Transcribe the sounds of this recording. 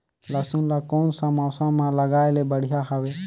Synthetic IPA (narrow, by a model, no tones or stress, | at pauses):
ləsunlakɔnsãmawsãmãləɡaːjlebəɽijaɦəweː